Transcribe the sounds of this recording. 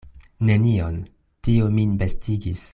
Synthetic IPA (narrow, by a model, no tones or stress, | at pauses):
ne̞nion | tiominbestiɡis